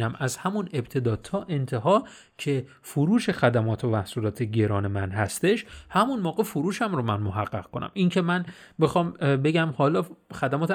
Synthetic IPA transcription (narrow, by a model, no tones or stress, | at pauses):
næmʔæzhæmune̞bt̪ʰe̞d̪ɒːt̪ʰɒːʔe̞nt̪ʰe̞ɦɒː | cʰe̞ | foɾuːʃe̞xæd̪æmɒːt̪ʰomæhsuːlɒːt̪ʰeɟe̞ɾɒːne̞mænɦæst̪e̞ʃhæmunmɒːɣe̞foɾuːʃæmɾomænmoɦæɢːæʁ̥kʰonæ̰mʔincʰe̞mænbexɒːmbe̞ɟæmhɒːlɒːxæd̪æmɒːt̪ʰ